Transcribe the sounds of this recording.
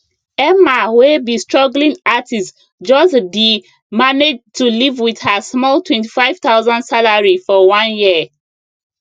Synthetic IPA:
ɛmawebistɹɔɡlĩŋatist | d͡ʒɔsdi | maned͡ʒtʰulivwið̥həsmɔltwɛ̃nti̥faɪv̥t̪aʊzɔ̃ndsalaɹifɔwɔ̃nji

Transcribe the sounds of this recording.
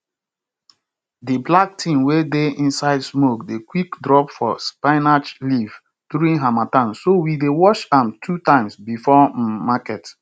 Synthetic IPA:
diblak̚tʰĩmwedeĩnsaɪdsmokdekwikdɹɔpfɔspaɪnad͡ʒliv | duɾĩnɦamatãnsowidewɔʃãmtʰutãɪ̃msbifɔmakɛt

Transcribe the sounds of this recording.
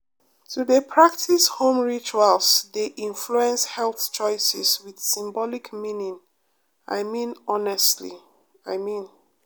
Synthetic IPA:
tudepʰɹak̚tʰishõmɹit͡ʃualsdeʔĩnfluɛ̃nshɛlˠθt͡ʃɔɪsɛswið̥sĩmbɔlikmĩnĩŋ | a̰ɪmĩnɔnɛstlḭ | aɪmĩn

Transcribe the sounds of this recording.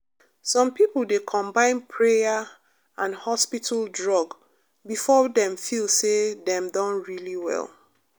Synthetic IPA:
sɔ̃mpipl̩ˠdekʰɔ̃mbãɪ̃npʰɹeja | ãnhɔspitʰaldɹɔɡ | bifɔdɛ̃mfilsedɛ̃mdɔ̃nɹiliwɛ̰lˠ

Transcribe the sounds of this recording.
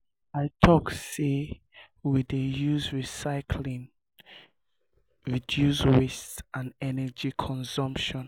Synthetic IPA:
aɪtʰɔkse | widejuzɹisaɪkʰlĩŋ | ɹidjuzwestsãnɛnɛd͡ʒikʰɔ̃nsɔ̃mpʃɔ̃n

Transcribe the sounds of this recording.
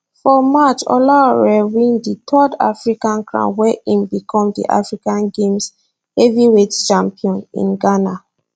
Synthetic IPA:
fɔmat͡ʃɔ̰laɹɛwĩnditʰɔda̰fɹikãnkɹã̰wɛʔĩmbikʰɔ̃mdḭʔa̰fɹikãnɡẽms | hɛviwett͡ʃãmpiɔ̃nḭ̃nɡana

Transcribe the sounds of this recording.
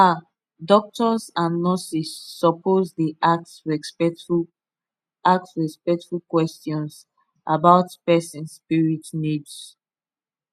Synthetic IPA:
a | dɔk̚tɔsãnːɔsisːɔpʰozdiʔak̚tsɹɛɛu | ak̚sɹɛspɛk̚tfulkwɛstjɔ̃ns | ʔabaʊtpɛsĩnspiɹitnids

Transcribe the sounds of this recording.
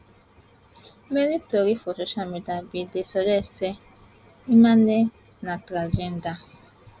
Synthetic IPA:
menitoɾifɔsoʃalmidiabidesɔd͡ʒɛse | imane | natɾad͡ʒenda

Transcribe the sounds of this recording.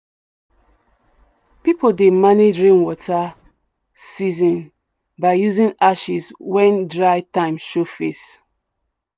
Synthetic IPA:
pipodemaned͡ʒɹĩnwɔtʰa | sizɔ̃n | baɪjuzĩnaʃiswɛ̃ndɹaɪtãɪ̃mʃofes

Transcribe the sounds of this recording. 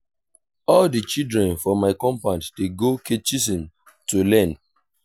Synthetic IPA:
ɔldit͡ʃidɹɛ̃nfɔmːaɪkɔ̃mpãnddeɡokʰet͡ʃis̬ĩn | tulɛ̃n

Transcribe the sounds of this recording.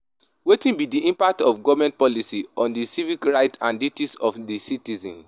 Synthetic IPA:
wetĩnbidiĩmpak̚tɔfɡɔvmɛ̃nt̚pɔlisiɔ̃ndisivikɹaɪtãnditisɔfdisitizɔ̰̃n

